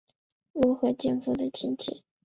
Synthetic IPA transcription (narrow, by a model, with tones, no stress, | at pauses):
ɻu˧˥xɤ˧˥t͡ɕjɛ˥˧nfu˧˥˩d̪ə˨t͡ɕʰi˧˥nt͡ɕʰḭ˧˩˦